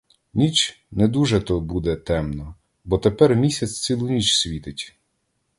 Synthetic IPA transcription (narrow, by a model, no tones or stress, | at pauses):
nʲit͡ʃ | nɛd̪uʒɛt̪ɔbud̪ɛt̪ɛmnɔ | bɔt̪epɛrmʲisʲɐt͡sʲt͡s̪ʲilˠʊnʲit͡ʃsʲʋʲit̪ɪtʲ